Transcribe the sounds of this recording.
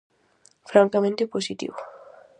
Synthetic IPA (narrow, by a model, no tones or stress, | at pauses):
fɾaŋkamẽnt̪eposit̪ḭβo